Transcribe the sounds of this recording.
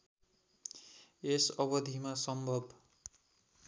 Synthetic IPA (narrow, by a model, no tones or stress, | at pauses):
esʌβʌd̪ʱimasʌmbʱʌb